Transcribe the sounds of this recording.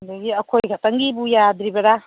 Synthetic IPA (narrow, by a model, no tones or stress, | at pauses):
ndaɡiɐkʰojɡʱatɐŋɡibujad̪ɾibɐɾa